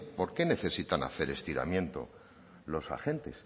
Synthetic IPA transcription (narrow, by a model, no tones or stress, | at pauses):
po̞ɾke̞ne̞θe̞sit̪ana̰θe̞ɾe̞st̪iɾa̰mjẽ̞nt̪o̞̰ | lo̞sa̰xe̞nt̪e̞s